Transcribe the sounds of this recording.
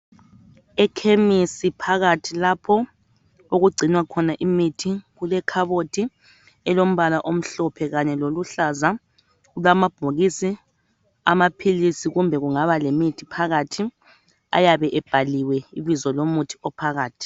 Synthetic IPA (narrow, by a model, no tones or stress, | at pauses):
ɛkʰemisipʰaɣatʰilapʰɔ | oɣuɡ͡ǀʱinwakʰɔnaʔimitʰiɣulɛkʰaβotʰʼi | ɛlom̩βalaʔom̩ɬɔpʰɛɣaɲɛloluɬaza | ɣulwamab̥ʱoɣisi | a̰mapʰilisiɣumbʱɛɣuŋaβalemitʰi̥pʰaɣatʰi | a̰jaβɛʔɛb̥ʱaliwɛiβizɔlomutʰi̥ɔpʰaɣaːtʰi̥